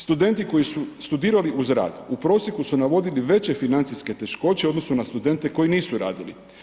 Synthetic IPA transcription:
st̪ud̪e̞nt̪iko̞jisust̪ud̪iːɾaliʔuzɾa̰ːd̪upɾo̞ːsje̞kusunaʋo̞d̪iliʋe̞t͡ɕe̞finant̪siske̞t̪e̞ʃko̞t͡ɕeod̪no̞sunast̪ud̪e̞nt̪e̞ko̞jiniːsuɾa̰ːd̪ili

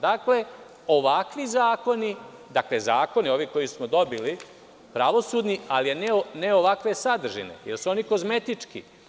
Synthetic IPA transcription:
d̪akle̞ | o̞ʋakʋizaːko̞ni | d̪akle̞zaːko̞nio̞ːʋiko̞jismod̪o̞bili | pɾaʋo̞suːd̪nialijeneoneo̞ʋakʋe̞sad̪r̩ʒḭnḛjelsuo̞niko̞zme̞t̪it͡ʂkḭ

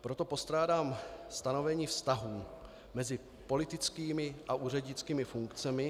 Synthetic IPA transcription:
pɾo̞t̪o̞po̞st̪ɾaːdaːmst̪ano̞vɛɲiːfst̪aɦuː | mɛzɪ | po̞lɪt̪ɪt͡skiːmɪʔaʔuːrɛɟɲɪt͡skiːmɪfuŋkt͡sɛmɪ

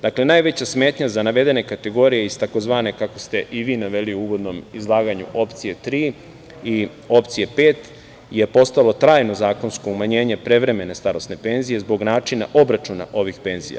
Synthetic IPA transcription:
d̪akle̞naːjʋe̞t͡ɕasme̞ːt̪ɲazanaʋe̞d̪e̞ne̞kat̪e̞ɡo̞ːɾijeist̪ako̞zʋaːne̞kako̞st̪e̞ʔiʋiːnaʋe̞liuuʋo̞d̪no̞mizlˠaːɡaɲṵʔo̞pt̪sije̞t̪ɾiː | i | o̞pt̪sijepeːt̪ | je̞po̞st̪alo̞t̪ɾaːjno̞zaːko̞nsko̞umaɲe̞ːɲe̞pɾe̞ʋɾe̞me̞ne̞st̪aɾo̞sne̞pe̞nzije̞zbo̞ɡnaːt͡ʃina̰ʔo̞bɾat͡ʃuna̰ʔo̞ʋixpe̞nzḭja̰

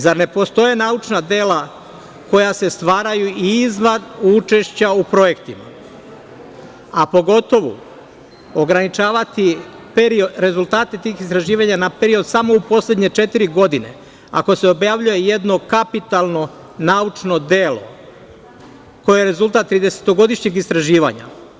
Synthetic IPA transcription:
zaɾne̞po̞st̪o̞je̞naut͡ʃnad̪e̞la | ko̞jase̞st̪ʋaːɾajuiizʋanut͡ʃe̞ʃt͡ɕaupɾo̞je̞kt̪ima̰ | apo̞ɡo̞t̪o̞ʋṵ | o̞ɡɾanit͡ʃaːʋat̪i | peɾioɾe̞zulˠt̪aːt̪e̞t̪iːxist̪ɾaʒiːʋaɲanape̞ɾio̞d̪samo̞upo̞sle̞d̪ɲe̞t͡ʃe̞t̪iɾiɡo̞d̪ine̞̰ | a̰ko̞se̞o̞bjaʋʎuje̞je̞d̪no̞kapit̪alˠno̞ | naut͡ʃno̞d̪elo̞̰ | ko̞jejeɾe̞zult̪at̪ːɾiːd̪e̞se̥t̪o̞ɡo̞d̪iʃɲeɡist̪ɾaʒiːʋa̰ɲa̰

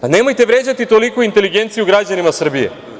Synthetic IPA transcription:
ane̞mo̞jt̪eʋɾe̞ːd͡ʑat̪it̪o̞likuint̪e̞liɡe̞nt̪sijuɡɾad͡ʑanimasr̩bije̞̰

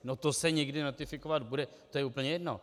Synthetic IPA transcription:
not̪osɛɲɛɡdɪnot̪ɪfɪkovat̪budɛt̪ojɛuːpl̩ɲɛjɛdno̰

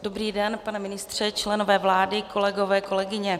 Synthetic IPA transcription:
d̥o̞briːdɛnpanɛmɪnɪst̪r̝̥ɛt͡ʃlɛno̞vɛːvlaːdɪko̞lɛɡo̞vɛːko̞lɛɡɪɲɛ

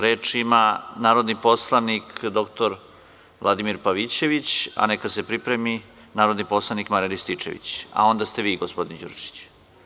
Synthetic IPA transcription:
ɾeːt͡ʂimanaːɾo̞d̪nipo̞slˠanikʰd̪o̞kt̪oɾ | vlˠad̪imiɾpaʋit͡ɕe̞ʋit͡ɕa̰nekase̞pɾipɾemi | naːɾod̪nipo̞slˠanikmaɾilist̪it͡ʂḛʋḭt͡ɕa̰o̞nd̪ast̪e̞ʋiːɡospo̞d̪ind͡ʑṵɾt͡ʃi̥t͡ɕ

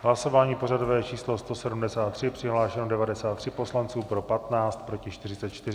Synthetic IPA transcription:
ɦlaso̞vaːɲiːpo̞rado̞vɛːt͡ʃiːslo̞st̪o̞sɛdumdɛsaːt̪ːr̝̥ɪpr̥ɪɦlaːʃɛnodɛvadɛsaːt̪ːr̝̥ɪpo̞slant͡suːpɾo̞pat̪naːt͡st̪̚pɾo̞cɪʃt̪ɪrɪt͡sɛt̪t͡ʃt̪ɪrɪ

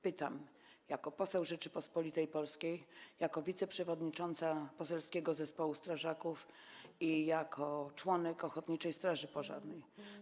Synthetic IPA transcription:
pɘt̪a̰m | jakɔpɔsɛwʐɘt͡ʂɘpɔspɔlʲit̪ɛjpɔlskʲejjakɔvʲit̪sɛpʂɛvɔd̪ɲit͡ʂɔnt̪sapɔsɛlskʲɛɡɔzɛspɔwust̪ɾaʐakuf | ijakʰɔt͡ʂwɔnɛkɔxɔt̪ɲit͡ʂɛjst̪ɾaʐɘpɔʐa̰ɾnɛj

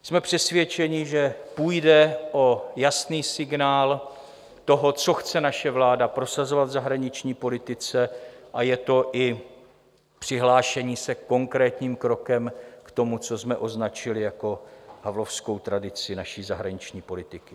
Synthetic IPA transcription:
smɛpr̥ɛsvjɛt͡ʃɛɲɪʒɛpuːjdɛʔo̞jasniːsɪɡnaːl | t̪o̞ɦo̞t͡so̞xt͡sɛnaʃɛvlaːdapɾo̞sazo̞vad̪zaɦɾaɲɪt͡ʃɲiːpo̞lɪt̪ɪt͡sɛʔajɛt̪o̞ʔɪ | pr̥ɪɦlaːʃɛɲiːsɛko̞ŋkɾɛːt̪ɲiːmkɾo̞kɛmkt̪o̞mut͡so̞smɛʔo̞znat͡ʃɪlɪjako̞ɦavlo̞fsko̞wt̪ɾadɪt͡sɪnaʃiːzaɦɾaɲɪt͡ʃɲiːpo̞lɪt̪ɪkɪ

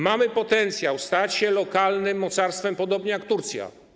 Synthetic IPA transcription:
mamɘpɔt̪ɛnt̪sʲjawst̪at͡ɕɕɛlɔkalnɘmːɔt̪saɾst̪fɛmpɔd̪ɔbɲɛjakt̪uɾt̪sʲja̰

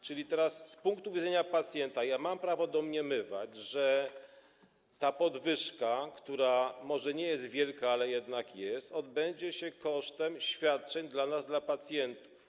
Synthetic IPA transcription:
t͡ʂɘlʲit̪ɛɾasspuŋkt̪uvʲid̪zɛɲapat̪sʲjɛnt̪ajamampɾavɔd̪ɔmɲɛmɘva̰d͡ʑʐɛ | t̪apɔd̪vɘʂkakt̪uɾamɔʐɛɲɛjɛst̪vʲjɛlkaalɛjɛd̪nakjɛst̪ɔd̪bɛɲd͡ʑɛɕɛkɔʂt̪ɛmɕfʲjat̪̚t͡ʂɛɲd̪lanazd̪lapat̪sʲjɛnt̪u̥f

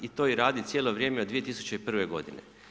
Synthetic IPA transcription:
it̪o̞ːiɾaːd̪it̪sjeːlo̞ʋɾjeːmeod̪ʋije̞t̪isu̥t͡ɕeipr̩ʋe̞ɡo̞̰d̪inḛ

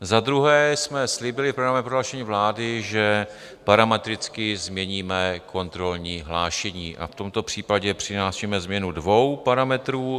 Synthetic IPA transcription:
zad̪ɾuɦɛːsmɛslɪbɪlɪfpɾoɡɾamɛpɾoɦlaːʃɛɲiːvlaːdɪʒɛ | paɾamɛt̪ɾɪt͡skɪzmɲɛɲiːmɛkʰo̞nt̪ɾo̞lɲiːɦlaːʃɛɲiːʔa̰ft̪o̞mt̪o̞pr̝̥iːpaɟɛpr̝̥ɪnaːʃimɛzmɲɛnudvo̞wpaɾamɛt̪ɾuː

